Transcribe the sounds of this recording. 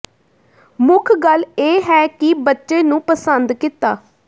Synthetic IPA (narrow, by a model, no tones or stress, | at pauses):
mʊkʰɡəleːɦɛːkɪbətːʃeːnũːpəsənd̪kɪt̪ːa̰ː